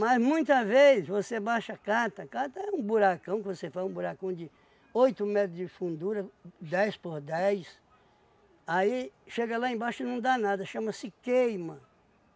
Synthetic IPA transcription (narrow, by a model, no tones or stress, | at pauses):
mɐzmũj̃t̪ɐvesvosebaʃɐkat̪ɐkat̪ɐɛũbuɾakɐ̃w̃kɪvosefazũbuɾakɐ̃w̃d͡ʒɪ | ojt̪ʊmɛt̪ɾʊd͡ʒɪfũnd̪uɾɐd̪ɛjspoɾd̪ɛjs | aiʃeɡɐlaẽbaʃʊɪnɐ̃w̃d̪anad̪ɐʃɐ̃mɐsɪkejmɐ